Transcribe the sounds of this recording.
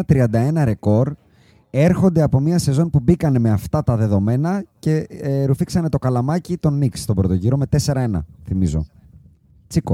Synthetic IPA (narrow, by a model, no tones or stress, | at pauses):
ɐt̪ɾiɐnd̪ɐe̞nɐɾe̞ko̞ɾ | e̞ɾxo̞nd̪e̞ɐpo̞miɐse̞zo̞npubikɐne̞me̞ɐft̪ɐt̪ɐðe̞ðo̞me̞nɐce̞ɾufiksɐne̞t̪o̞kɐlɐmɐcit̪o̞nikst̪o̞bɾot̪o̞ʝiɾo̞me̞t̪e̞se̞ɾɐe̞nɐ̰θimizo̞̰ | t͡siko